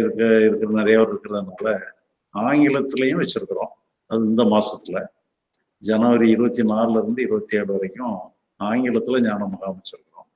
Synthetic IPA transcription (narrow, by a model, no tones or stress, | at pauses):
ɪɾɯkːɐɪɾɯkːɪɾɐnɪɾɐjaːʋɐɾɪɾɯkːɪɾɐðɯnaːlɐ | aːŋɡɪɭɐt̪ːɯlɐjʊ̃ʋɛt͡ʃːɪɾɯkːɐɾõː | ɐðɯɪnd̪ɐmaːsɐt̪ːɪlɐ | d͡ʒɐnɐʋɐɾiɪɾɯʋɐt̪ːinaːɾɪlɪɾɯnd̪ɯɪɾɯʋɐt̪ːieːɽɯʋɐɾɛkʲːʊ̃ | aːŋɡɪɭɐt̪ːɪlɐɲaːnɐmɐɣaːmʋɐt͡ʃːɪɾɯkːɐɾõː